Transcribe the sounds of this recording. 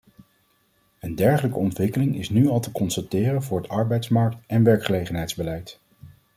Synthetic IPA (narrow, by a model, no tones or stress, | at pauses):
əndɛɹχələkəɔntʋɪkəlɪŋɪ̰snyɑlˠtəkɔnstatɪːrənvʊːɹɦətɑɹbɛjtsmɑɹk̚tɛnʋɛɹkχəlejχənɦɛjdzbəlɛjt